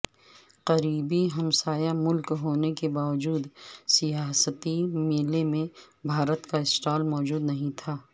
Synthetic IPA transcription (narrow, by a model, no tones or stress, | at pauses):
qɐɾiːbiɦɐmsaːjamʊlkɦoːnekebaːʋəd͡ʒuːd̪sijaːsət̪imeːlemẽ | bʱaːɾət̪kaɪsʈaːlmɔːd͡ʒuːd̪nɐɦĩt̪ʰaː